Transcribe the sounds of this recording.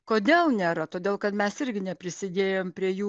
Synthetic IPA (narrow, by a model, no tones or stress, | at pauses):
koːd̪ʲeːlˠnʲeːɾɐt̪oːd̪ʲeːlˠkɐt̪mʲɛsɪɾʲɡʲɪnʲɛpʲɾʲɪsʲɪd̪ʲeːjoːmpʲɾʲiɛjuː